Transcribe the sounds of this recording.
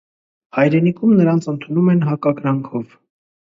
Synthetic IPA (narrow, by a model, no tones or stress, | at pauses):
hɑjɾɛnikʰumnəɾɑnt͡sʰənt̪ʰunumɛnɦɑkɑɡɾɑŋkʰɔv